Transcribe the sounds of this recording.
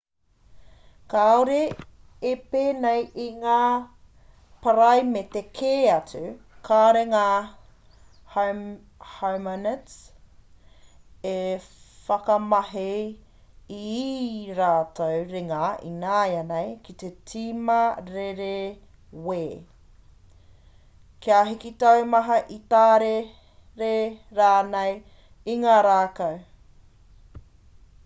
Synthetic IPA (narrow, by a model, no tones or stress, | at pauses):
kaoɾeː | peːnejʔiŋaː | pɐɾɐjmet̪ekʰeːɐt͡su | kʰaːɾeŋaː | h | hamonɛt | efɐkɐmɐɦe | i | ɾaːtowɾeŋɐʔḭnaːjɐnejkit̪etʰimɐɾeɾe | weː | keaɦikit̪ɐwmɐɦɐʔit̪aːɾe | ɾeɾaːnej | iŋaːɾaːkɐw